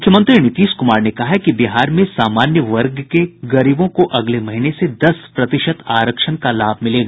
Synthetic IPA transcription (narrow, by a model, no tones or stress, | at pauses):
ʊkʰːjəmə̃nt̪ɾinɪt̪iːʃkʊmaːɾnekɐɦakibɪɦaːɾmẽsaːmaːnjəʋɐɾɡkeɡɐɾiːbõkoʔɐɡlemɐɦinesed̪ɐspɾɐt̪ɪʃət̪aːɾəkʃənkalaːbʱmɪleːɡaː